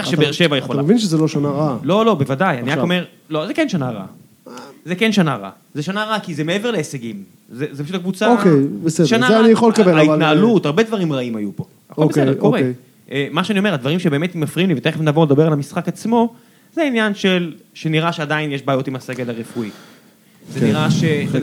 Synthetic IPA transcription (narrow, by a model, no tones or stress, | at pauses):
ʃebeeʁʃevajeχolaamevinʃezeloʃanaʁalo̞lo̞be̞vadajaniakome̞ʁ | lo̞zekenʃanaʁa̰ | zekenʃanaʁa̰ | zeʃanaʁakizemee̞ve̞ʁleːseɡim | zezepaʃut̪akvut͡saokejbesedʃanaanijaχolkabeaitnaalut̪aʁbed̪vaʁimʁaimajupo̞ | osedekkoe | ʔemaʃeanio̞me̞advaʁimʃebeme̞t̪mafʁiuniveteemnavo̞led̪abealamisχakat͡smo̞ | zeinjanʃe̞lʃe̞niʁaʃeadainjeʃbaːjo̞timase̞ɡe̞laʁefui | zeniʁaʃe